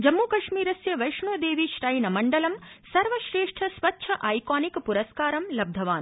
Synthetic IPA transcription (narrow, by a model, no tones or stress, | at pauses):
d͡ʒɐmːuːkɐʂmiːɾɐsjɐʋɐjʂɳuːd̪eːʋiʃɾɐjnɐmɐɳɖɐlɐmsɐɾʋɐʃɾeːʂʈʰɐsʋɐtːʃʰɐʔɐjkaːnikpuɾɐskaːɾɐmlɐb̚d̪ʱɐʋaːn